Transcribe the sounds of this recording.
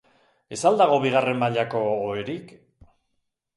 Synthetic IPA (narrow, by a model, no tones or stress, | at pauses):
e̞sald̪aɣ̞o̞βiɣare̞mmaʎako̞ːeɾik